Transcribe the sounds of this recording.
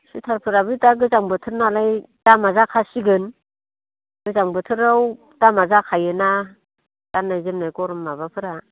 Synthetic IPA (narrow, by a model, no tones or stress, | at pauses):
sitʰaɾpʰɯɾabɯtaɡɯzaŋbɯtʰɯɾnalaj | tamazakʰasiɡɯn | ɡ̥ɯzaŋbɯtʰɯɾaw | tamazakʰajɯna | tanːajzɯmnajkɔɾɔmːaβapʰɯɾa